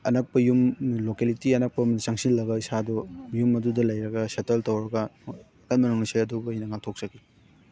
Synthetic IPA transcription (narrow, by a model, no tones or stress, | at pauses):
ɐnɐk̚pɐjumlokelitiɐnɐk̚pɐmnsɐŋsilːɐɡɐisadɔjumɐdudɐlɐjɾɐɡɐsetɐltɐwɾɐɡɐ | kɐnmɐnuŋnɐsajɐdubɐjnɐŋak̚tʰok̚t͡ʃɐɡi